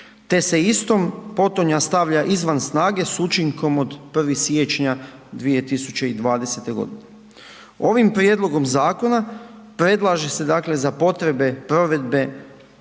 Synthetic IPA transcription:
t̪e̞se̞ist̪o̞mpo̞t̪oɲast̪aʋʎaʔizʋansnaːɡe̞sut͡ʃiŋko̞mod̪pr̩ʋisje̞t͡ʃɲad̪ʋije̞t̪isut͡ɕe̞id̪ʋaːd̪e̞se̞t̪e̞ɡo̞̰d̪ine | o̞ʋimpɾje̞d̪lˠo̞ɡo̞mzaːko̞na | pɾe̞d̪lˠaʒe̞se̞d̪akle̞zapo̞t̪ɾe̞be̞pɾo̞ʋe̞d̪be̞

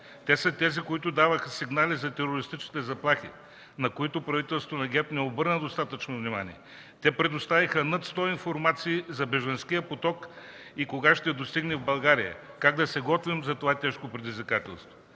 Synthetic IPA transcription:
t̪ɛsɐt̪ɛzikoit̪ʊd̪avəxəsiɡnalizɐt̪ɛɾoɾist̪it͡ʃni̥t̪ɛzɐplˠaxḭ | nɐkoit̪ʊpɾɐvit̪ɛlst̪ot̪onɐɡʲɛt̪nɛobɤɾnəd̪ost̪at̪ət͡ʃnovnima̰nʲḭɛ | t̪ɛpɾɛd̪ost̪avixənɐt̪st̪ɔinfoɾmat̪siːzɐbɛʒɐnskijəpot̪ɔk | ikoɡaʃt̪ɛd̪ost̪iɡnɛvbɐlˠɡaɾijə̰ | kaɡ̚d̪ɐsɛɡɔt̪vimzɐt̪ovat̪ɛʃkopɾɛd̪izvʲikat̪ɛ̰lˠst̪vo

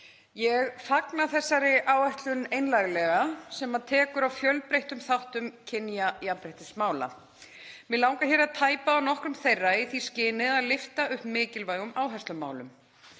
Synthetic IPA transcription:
jɛɣfaknaθɛsːaɾɪʔaːwajht̪lʏnejnlajɾɪlɛɣasɛmaðt̪ʰɛːkʏɾawfjœlpɾejht̪ʏmθawht̪ʏmcʰɪnjajapɾejht̪ɪsmaːwla̰ | mɪlawŋkaçɛɾaðt̪ʰaːjpaːwnɔhkɾʏmθejrːaiθiscɪːnɪðaðlɪft̪aʏhpmɪːcɪlvaːjɣʏmaːwɦɛst̪ʏma̰ːwlʏm

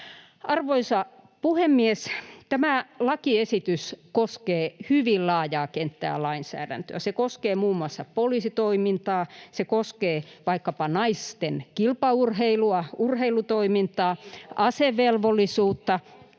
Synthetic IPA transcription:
ɑrʋoisɑ | puhemːiest̪æmælɑkiesit̪yskoskeːhyʋillɑːjɑːkent̪ːæ̰ːlɑinsæ̰ːdæ̰nt̪ø̰æsekoskeːmuːmːuɑsːɑpolisit̪oimint̪ɑːsekoskeːʋɑikːɑpɑnɑist̪enkilpɑurheiluɑurheilut̪oimint̪ɑːʔɑseʋelʋolːˑisuːt̪ːɑ

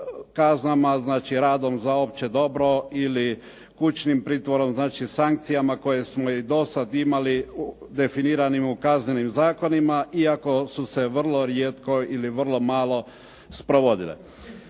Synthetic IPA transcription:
kaznamaznaːt͡ʃiɾaːd̪o̞mzaopt͡ʃed̪o̞bɾo̞ili | kut͡ʃnimpɾiːt̪ʋo̞ɾo̞mznaːt͡ʃisaŋk̚t̪sijamako̞je̞smoid̪o̞sad̪imaliud̪e̞finiːɾanimukazɲenimzaːko̞nimaʔiako̞suse̞ʋr̩lˠoɾjeːt̪ko̞iliʋr̩lˠo̞maːlo̞ | spɾoʋo̞d̪ilḛ

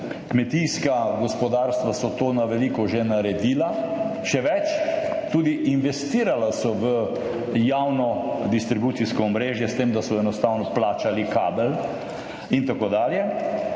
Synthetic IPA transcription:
kmɛt̪iskaɡɔspɔd̪aːɾst̪ʋasɔt̪oːnaʋɛliːkɔʒenaɾɛd̪iːlaʃɛʋɛt͡ʃt̪uːd̪iʔinʋɛst̪iːɾalasɔʋə | jaːwnɔd̪ist̪ɾibuːt̪siskɔɔmɾeːʒjɛst̪eːmd̪asɔɛnɔst̪aːwnɔplaːt͡ʃalikaːbɛl | int̪akoːd̪aːljɛ

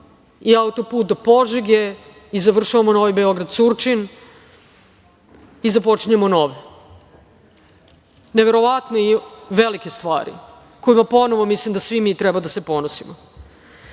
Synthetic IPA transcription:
iaut̪opuːt̪̚d̪opoʒiɡe | izaʋr̩ʃaʋamono̞ʋajbeo̞ɡɾad̪surt͡ʃin | izapo̞t͡ʃiɲamono̞ʋe | neʋe̞ɾo̞ʋat̪neiʋelike̞st̪ʋa̰ːɾḭ | ko̞jimapo̞no̞ʋomislimd̪asʋimiːt̪ɾɛbad̪asepo̞nosimo

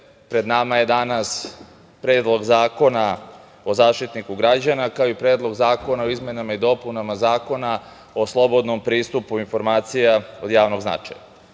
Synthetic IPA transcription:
pɾe̞d̪namaje̞d̪anas | pɾe̞ːd̪lˠo̞ɡzaːko̞na | o̞zaːʃt̪it̪nikuɡɾad͡ʑanakaoipɾeːd̪lˠo̞ɡzaːko̞naoizme̞namaid̪o̞punamazaːko̞na | oslˠo̞bo̞d̪no̞mpɾiːst̪upuinfo̞ɾmaːt̪sijao̞d̪jaːʋno̞ɡzna̰t͡ʂa̰ja̰

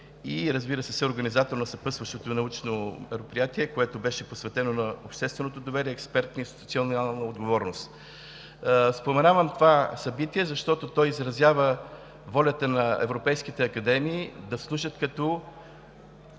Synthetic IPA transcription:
iɾəzbiɾəsɛsɛoɾɡɐnizat̪oɾnɐsɐpəsvəʃt̪ot̪onɐut͡ʃnomɛɾopɾijat̪iɛkoɛt̪obɛʃɛposvɛt̪ɛnonɐopʃt̪ɛst̪vɛnot̪od̪ovɛɾiɛːkspɛɾt̪nəinst̪i̥t̪ut̪sionalˠnəod̪ɡovɔɾnost̪ | spomɛnavəmt̪ovasɐbit̪iɛzɐʃt̪ɔt̪ot̪ɔjizɾɐzʲjavə | vɔlʲət̪ənɐɛ̰vɾopɛjskit̪ɛɐkɐd̪ɛmiːd̪ɐslˠuʃət̪kɐt̪ɔ

